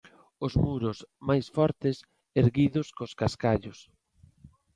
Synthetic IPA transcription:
ʊzmuɾʊsmajsfɔɾt̪ɪs | eɾɣiðʊskoskaskaʎʊs

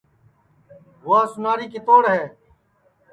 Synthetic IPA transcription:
ʋʊaːsʊnaːɾiːkiːt̪oːɽɦɛː

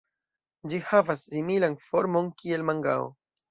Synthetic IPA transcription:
d͡ʒihavasːimilanfo̞ɾmo̞nkie̞lmaŋɡa̰o̰

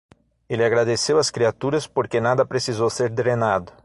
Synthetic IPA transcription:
elɪaɡɾad̪esewɐskɾiat̪uɾɐspoɾkenad̪ɐpɾesizowseɾd̪ɾenad̪ʊ

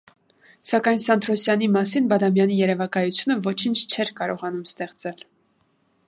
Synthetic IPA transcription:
sɑkɑjnsɑnd̪ɾɔsjɑnimɑsinbɑd̪ɑmjɑnijɛɾɛvɑkɑjut͡sʰjunəvɔt͡ʃʰint͡ʃʰt͡ʃʰɛɾkɑɾɔʁɑnumst̪ɛχt͡sɛl

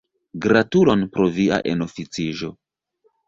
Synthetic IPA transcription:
ɡɾatulo̞npɾo̞via̰ʔḛno̞fit͡siʒo̞

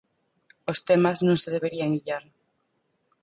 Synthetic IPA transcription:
ost̪emaznõŋseð̞eβ̞eɾiaŋiʎaɾ

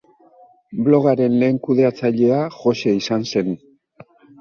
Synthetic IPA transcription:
blo̞ɣ̞aɾe̞nle̞ːŋkuð̞e̞at͡saʎe̞aʝo̞se̞isanse̞n

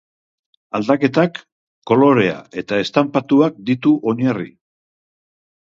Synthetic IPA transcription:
ald̪ake̞t̪akː | o̞lo̞ɾe̞a̰e̞t̪ae̞st̪ampat̪uak̚d̪it̪uʔo̞ɲarḭ

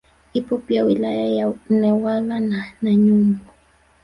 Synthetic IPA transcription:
ipupjawilajajanɛwalananaɲumbʊ

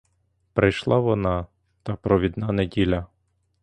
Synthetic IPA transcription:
pɾɪjʃlˠɑʋɔnɑ | t̪ɑpɾɔʋʲid̪nɑnedʲilʲɐ

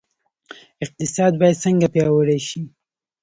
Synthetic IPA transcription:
ɪq̚t̪ɪsɑd̪̚bɑjad̪səŋɡapjɑwəɽeʃi

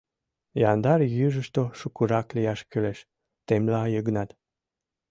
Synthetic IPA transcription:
jɑnd̪ɑɾjyʒəʃt̪oʃukuɾɑklijɑʃkyleʃ | t̪emlɑjəɣnɑt̪

